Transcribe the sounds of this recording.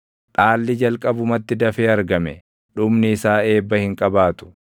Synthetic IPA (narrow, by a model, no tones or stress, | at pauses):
ᶑʼaːlːɪd͡ʒɐlkʼɐbʊmɐt̪ːɪd̪ɐfeːɐɾɡɐmɛ | ᶑʊmnɪːsaːe̞ːbːɐhɪŋkʼɐbaːt̪ʊ̥